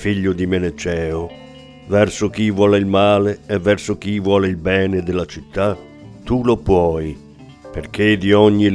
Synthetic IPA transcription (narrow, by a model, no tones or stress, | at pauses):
fiʎːʊd̪imenet͡ʃɛːʊ | vɛrsʊk̟ivwɔːleilmaːleevːɛrsʊk̟ivwɔːleilbɛːned̪elat͡ʃit̪ːa | t̪ːulopwɔːj | perk̟ed̪iɔɲːi